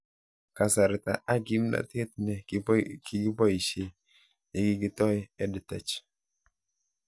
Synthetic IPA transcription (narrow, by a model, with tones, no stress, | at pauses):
ka˨sa˨ɾɪ˨ta˨ʔa˦ɡi˦m˦na̰˨te˦t̚nɛ˨ki˨ɡi˦bɔ˦i˨ʃe˨ | nɛ˨ɡɪ˦ɡi˦tɔ˦jɛ˦dɪ˨tɛ̰˨t͡ʃ